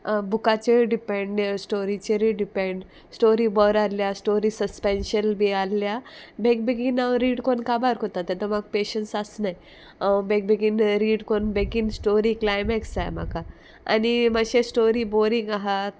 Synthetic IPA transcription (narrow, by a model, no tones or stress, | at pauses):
bukat͡ɕeɖipẽɳɖesʈoɾit͡ɕeɾiɖipẽɳɖ | sʈoɾibɔɾaljasʈoɾisəspenɕənbʱialːjabʱek̚beɡinawɾiːɽkonkabaɾkot̪at̪at̪əmaɡ̚peɕənsasnaj | abek̚beɡiːnɾiːɽkonbekinsʈoɾiklajmɛksa̰jma̰ka | a̰nimaɕesʈoɾiboɾiŋɡaɦat̪̚